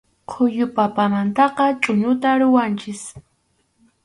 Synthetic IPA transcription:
qʰʊjʊpapamant̪ɑqɑt͡ʃʼʊɲʊt̪aɾʊwant͡ʃɪs

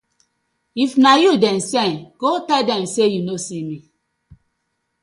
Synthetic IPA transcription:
ifnajudɛ̃msɛnɡotɛldɛ̃msejunosimi

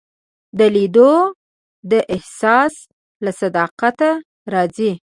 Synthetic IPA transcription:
d̪əlid̪o | d̪əʔɪhsɑs | lasad̪ɑqat̪a | ɾɑzi

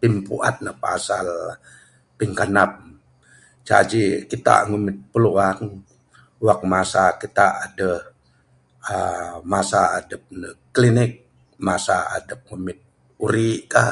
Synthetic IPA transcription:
t̪impṵʔa̰t̪̚nəhpa̰sa̰l | piŋkanap̚ | t͡ʃa̰d͡ʒikit̪a̰ŋumɪt̪̚pəluaŋ | wak̚masakit̪aʔːdə | əmasaːdəp̚nəklinɪk̚ | masaa̰dəp̚ŋumɪt̪̚ | uɾika

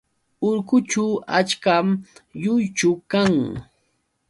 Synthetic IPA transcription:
ʊɾkʊt͡ʃʊat͡ʃkamjʊjt͡ʃʊkaŋ

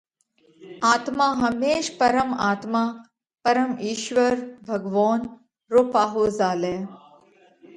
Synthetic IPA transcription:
aːt̪maːɦɐmeːʃpɐɾəmaːt̪maː | pɐɾəmiːʃʋɐɾbʱɐɡʋɔːn | ɾopaːɦozaːleː

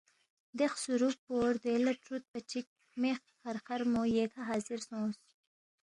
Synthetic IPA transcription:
d̪exsuɾupoɾd̪elɐʈɾut̪̚pət͡ʃik̚ | mex | xaɾxaɾmojekʰaɦɑːzɪɾsõːs

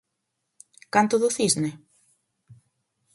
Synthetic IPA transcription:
kant̪ʊðʊθizne

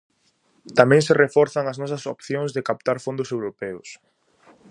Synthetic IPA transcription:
t̪amɛ̃ŋsɪrefɔɾθɐŋɐznɔs̬ɐsopθjõŋzðekap̚t̪aɾfõnd̪ʊsewɾopɛʊs

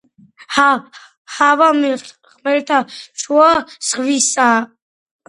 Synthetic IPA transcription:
ha | havami | χmɛɾt̪ʰaʃuasʁvisa

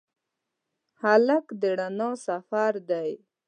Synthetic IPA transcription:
halakd̪əɽanosafaɾd̪aj

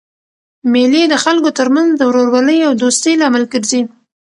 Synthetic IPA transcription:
melid̪əxalkot̪əɾmanzd̪əwɾoɾwaləjawd̪ost̪əjlɑmalkəɾzi

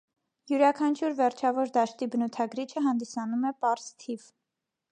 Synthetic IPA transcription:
juɾɑkʰɑnt͡ʃʰuɾvɛɾt͡ʃʰɑvɔɾd̪ɑʃt̪ibənut̪ʰɑɡɾit͡ʃʰəɦɑnd̪isɑnumɛpɑɾz̥t̪ʰiv̥

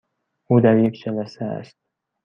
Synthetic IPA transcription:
ud̪æɾjekʲd͡ʒælæsææ̰st̪̚

